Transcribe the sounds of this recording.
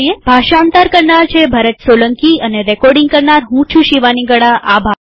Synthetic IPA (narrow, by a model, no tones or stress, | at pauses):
ijebʱaʃaːnt̪aɾkəɾnaɾt͡ʃʰebʱaɾət̪soləŋkiəneɾɛkɔɾɖiŋɡkəɾnaɾɦũt͡ʃʰũʃiʋaniɡəɽaʔabʱa